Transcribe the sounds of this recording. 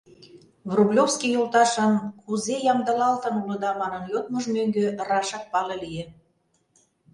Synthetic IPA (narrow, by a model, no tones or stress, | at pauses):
βrublʲofskijolt̪ɑʃənkuzejɑmd̪əlɑlt̪ə̆nulɤ̆d̪ɑmɑnə̆nlʲot̪̚məʒmøŋɡørɑʃɑk̚pɑlɤlie